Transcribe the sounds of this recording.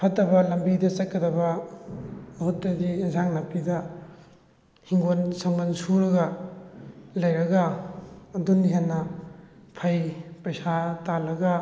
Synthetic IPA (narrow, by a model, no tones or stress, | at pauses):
pʰɐtɐbɐlɐmbidɐt͡ʃɐtkːɐdɐbɐː | hutːɐdizaŋnɐpidɐ | hiŋɡonsɐŋmɐnsuɾɐɡɐ | lɐjɾɐɡɐː | duniɦenːɐ | pʰajpɐjsatalɐɡɐ